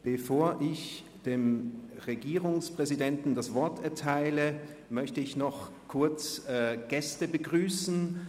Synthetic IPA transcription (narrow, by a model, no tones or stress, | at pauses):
b̥əfoːɐʔɪç | d̥eːmʁeɡiːʁʊŋspʁ̥ɛzidɛntn̩dasv̥ɔɐtɛɐtʰaɪlə | mœçtəɪçnɔχ | kʰʊɐt͡sːɡ̥ɛstəbəɡʁyːsn̩